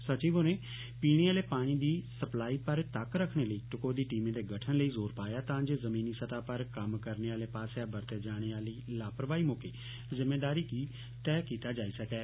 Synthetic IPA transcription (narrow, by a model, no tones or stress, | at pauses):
sət͡ʃiːʋoːneː | piːɽ̃eːaːleːpaːɽ̃iːd̪iːsəplaːiːpəɾt̪əkɾəkʰɽ̃eːləiːʈʊkoːd̪iːʈiːmẽːd̪eːɡəʈʰənləiːzoːɾpaːjaːt̪ãːd͡ʒeːzəmĩːniːsət̪aːpəɾkəmkəɾneːaːleːpaːsaːbəɾt̪eːd͡ʒaːɽ̃eːaːliːlaːpəɾʋaːiːmokeː | zɪmeːd̪aːɾiːkiː | t̪ɛːkiːt̪aːd͡ʒaːiːsəkɛː